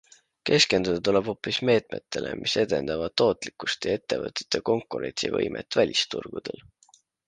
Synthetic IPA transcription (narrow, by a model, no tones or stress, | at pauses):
ke̞ske̞nd̪̥ud̪ɑt̪uleb̥ho̞pːˑisme̞ːt̪̚ˑme̞̰t̪ːe̞lʔe̞̰mʔise̞d̪̥e̞̰nd̪ɑvɑd̪̚t̪ːo̞ːt̪ˑlikːˑu̥st̪jɑe̞t̪ːe̞vɤt̪ːˑe̥t̪ːˑeko̞ŋkːˑuɾe̞̰nʲt̪sivɤ̰jmʔḛt̪ːˑvælʲist̪ṵrɡ̥ud̪̥e̞̰l